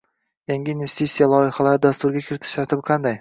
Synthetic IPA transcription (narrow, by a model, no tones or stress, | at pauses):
jaŋɡʲɪːnve̞st̪it̪sijalˠɒjɪχalaɾɪd̪ast̪ʊɾɡʲakʲʰɪɾɪt̪ʰɪ̥ʃt̪aɾt̪ʰɪbɪqʰɑnd̪aj